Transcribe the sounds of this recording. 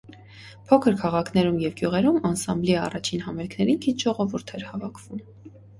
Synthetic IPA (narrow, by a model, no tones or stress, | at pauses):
pʰɔkʰəɾkʰɑʁɑkʰnɛɾumjɛvɡjuʁɛɾumɑnsɑmbliɑ̰rɑt͡ʃʰinɦɑmɛlkʰnɛɾinkʰit̪ʒ̥ɔʁɔvuɾt̪ʰɛɾhɑvɑkʰv̥um